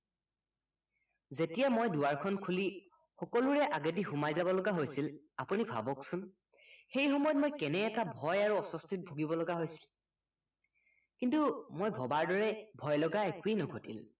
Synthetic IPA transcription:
zetijamojduaɹkʰɔnkʰuli | xɔkɔluɹɛʔaɡatixumajzabɔlɔɡaɦojsil | apunibʱa̰bɔksʊn | xejxɔmɔjɔt̚mojkɛnɛːtabʱɔjaɹuɔsɔstʰit̚bʱoɡibɔlɔɡaɦojsi̥l | kintumojbʱɔbaɹdɔɹɛbʱɔjlɔɡaekuinɔɡʱotḭl

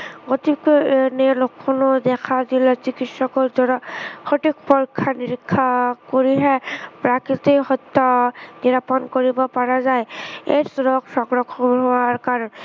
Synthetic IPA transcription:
ɡɔt̪iknelokʰːɔnɔd̪ɛkʰad̪ilɔt͡ʃikit̪sɔkɔzɔɔxoʈik̚pɔɹkʰːaniɹikʰːakoɹiɦɛpɹakit̪eɦɔt̪ːɔniɾapɔnkoɹibɔpaɹazajeɾsɔɾɔksɔɡɹɔkʰɔɦɔaɹkaɹn

